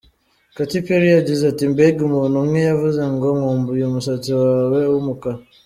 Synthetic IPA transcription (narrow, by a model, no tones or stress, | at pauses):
katipeɾijad͡ʒizatimbeɡumɔnuŋejavuzaŋɡɔŋɔmbujomusatiwawɛumuka